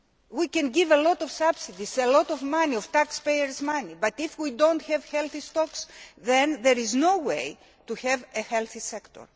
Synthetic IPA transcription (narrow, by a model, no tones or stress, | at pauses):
wikẽnɡivelot̪ov̥sɐb̥sid̪iselot̪ovmɐniov̥t̪akspejeɾzmɐnibɐt̪ifwid̪õnt̪çevçelθist̪oksðẽnðeɾiznowej | t̪uçevehelθisekt̪o̰ɾ